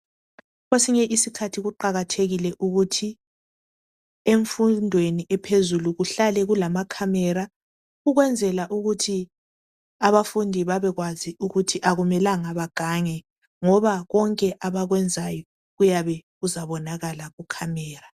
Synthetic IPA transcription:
ɣwesiɲɛʔisikʰatʰiɣuǃaɣatʰeɣilɛʔuɣutʰi | eɱfundʱweniʔɛpʰezuluɣuɬalɛɣulamakʰamɛɾa | ɣuɣwɛnd͡zʱɛlaʔuɣutʰi | aβafundʱiβaβɛɣwaziʔuɣutʰiʔaɣumɛlaŋaβaɡ̥ʱaŋɛ | ŋɔβaɣɔŋkʼɛʔaβaɣwɛnd͡zʱajɔ | ɣujaβɛɣuzaβɔnaɣalaɣukʰamɛːra

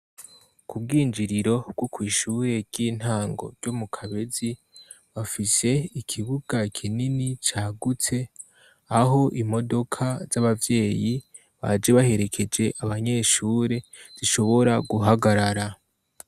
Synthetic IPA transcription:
kub̚ɡiːnd͡ʒiɾiɾo̞bɡokwiːʃuɾe̞ɾɟiːn̥haːŋɡo̞̰ɾɟ̥omukʰaβe̞zi | βafise̞ikʰiβuɡ̥akʰininit͡ʃaːɡut͡se̞ | aɦo̞ʔimo̞do̞kʰaz̥aβavje̞ːji | βa̰d͡ʒe̞βahe̞ɾe̞kʰe̞d͡ʒe̞ʔaβaɲe̞ːʃuːɾe̞z̥iʃo̞βo̞ɾaɡuɦaɡaɾaɾa

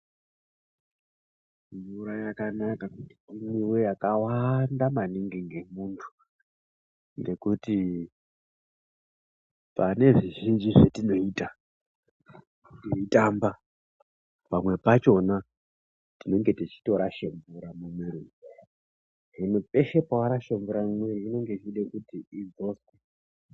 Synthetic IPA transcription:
ɱvuɾajakanakakuti̥imiwe̞jakawandamaniŋɡiŋɡe̞muntʰu̥ | ŋɡe̞kuti | pane̞ʐiʒind͡ʒiʐetino̞ita | iitaːmba | pamwe̞pat͡ʃo̞na | tino̞ŋɡe̞tit͡ʃi̥to̞ɾaʃemvuɾamumeɾi | ɦinope̞ʃepaaɾaʃemvuɾamweriino̞ŋɡe̞t͡ʃiɗekutiid͡zo̞swe

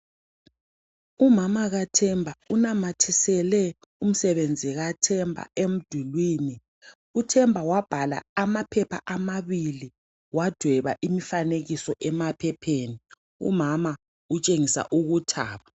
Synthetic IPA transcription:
umamaɣatʰɛmbʱaunamatʰisɛlɛ | um̩sɛβend͡zʱiɣatʰɛmbʱa̰em̩d̥ʱulwiːni | utʰɛmbʱawab̥ʱala̰ːmapʰɛpʰa̰ʔamaβili | wad̥ʱwɛβaʔimifaneɣisɔʔɛmapʰɛpʰeːni | ṵmama | ut͡ʃʼeŋisa̰ʔuɣutʰa̰ːβa

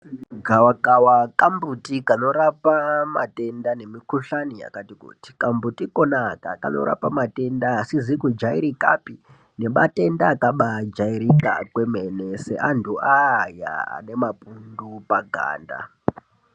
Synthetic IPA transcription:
ɡʱawakawakambutikano̞ɾapama̰te̞ndane̞mikuɬania̰katikṵti̥kambutikonaka̰ka̰no̞̰ɾa̰pamate̞ndaasizikud͡ʒaiɾika̰pi | ne̞ɓa̰te̞ndaːkaɓad͡ʒaiɾika̰kwe̞menese̞̰ʔantʰuʔaja̰a̰ne̞mapundupaɡʱa̰ːnda̰

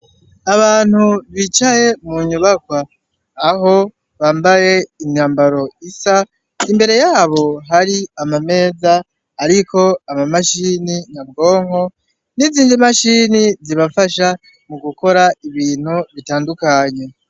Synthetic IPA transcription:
aβaːn̥huβit͡ʃaje̞muɲuβakwaː | ɦo̞ | βaːmbaje̞imɲaːmbaɾo̞isa | imbe̞ɾe̞jaːβo̞ɦaɾiamame̞ːzaː | ɾikʰo̞amamaʃininabɡo̞ːŋho̞ | niziːnd͡ʒimaʃiːniziβafaʃa | muɡuko̞ɾaiβiːn̥huβitaːndukaɲe̞

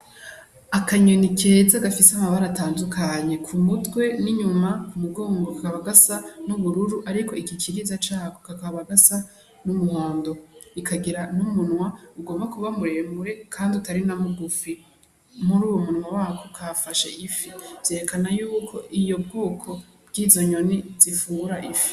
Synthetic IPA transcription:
akaɲonike̞ːzaɡafiseamaβaɾataːndukʰaɲe̞kʰumutɡwe̞niɲumakumuɡo̞ːŋɡokakaβaɡasanuβuɾuɾuʔaɾiko̞ikikʰiɾizat͡ʃaːkokakaβaɡasa | numuhoːndo̞ikʰaɡiɾanumunwauɡo̞ːmbakuβamuɾemuɾe̞kʰaːndiutaɾinamuɡufi | muɾuːwomunwawakʰokʰafaʃḛʔifivz̥eːɾekanajuːkʰo̞ʔijo̞bɡuːkʰo̞ | b̥ɡiːzo̞ɲo̞niz̥ifuːŋɡuɾaʔifi̥

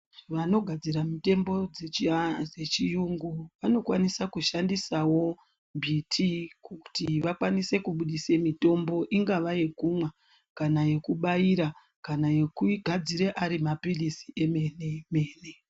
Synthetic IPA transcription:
ʋano̞ɡʱad͡ziɾamite̞mbo̞d͡zed͡ze̞t͡ʃijuŋɡuʋano̞kwanisakuʃandisawo̞ | mbʱitʰikuku̥tiʋakwanise̞kuɓuɗise̞mito̞mbo̞ʔiŋɡaʋajekumwa | kanaje̞kuɓajiɾa | kanaje̞kuiɡʱad͡ziɾeʔaɾimapilisi̥ʔe̞meneme̞ːne̞

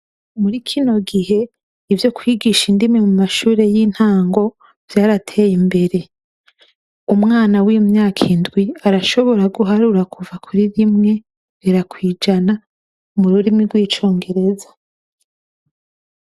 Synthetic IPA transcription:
muɾikʰino̞ɡiɦe̞ | ivjo̞kwiɡiʃindimŋe̞mumaʃuːɾe̞jiːn̥haːŋɡo̞ | v̥jaːɾatʰe̞ːjimbe̞ɾe̞ | umŋaːnawiumɲaːkʰindɡwiaɾaʃo̞βo̞ɾaɡuɦaɾuɾakuvakʰuɾiɾimŋe̞ | ɾiɾakwiːd͡ʒana | muɾuɾimiɾɡwiːt͡ʃo̞ːŋɡe̞ɾe̞zḁ

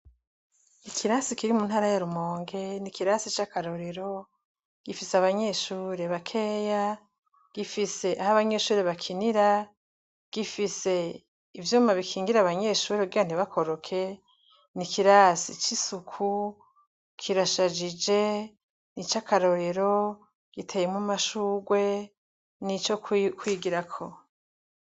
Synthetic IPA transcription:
ikʰiɾasikiɾimunhaːɾajaɾumo̞ːŋɡe̞nikiɾasit͡ʃakaɾo̞ɾe̞ɾo̞ | ɡ̥ifiseaβaɲe̞ʃuːɾe̞βakʰe̞ja | ɡ̥ifise̞ʔahaβaɲe̞ʃuːɾe̞βakʰiniɾa | ɡ̥ifise̞ | ivjuːmaβikʰiːŋɡiɾaβaɲeʃuːɾeuɡiwan̥iβakʰoɾo̞kʰe̞ | nikiɾasit͡ʃisukʰu | kʰiɾaʃad͡ʒid͡ʒe̞ | nit͡ʃakʰaɾo̞ɾe̞ɾo̞ | ɡ̥itʰe̞ːjemumaʃuːɡwe̞ | nit͡ʃokkwiːɡiɾakʰo

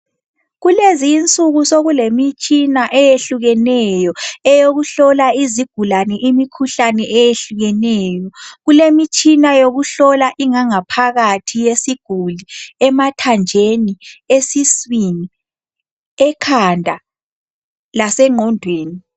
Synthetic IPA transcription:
ɣulezint͡sʼuɣusoɣulemit͡ʃʼinaʔɛjeɬuɣɛnɛjɔɛjoɣuɬɔlaiziɡ̥ʱulanɛʔimikʰuɬanɛʔɛjeɬuɣɛnɛːjɔɣulemit͡ʃʼinajoɣuɬɔlaʔiŋaŋapʰaɣatʰijesiɡ̥ʱuliɛmatʰand͡ʒʱeniesiswini | ɛkʰandʱa | lasɛŋɔndʱweːni

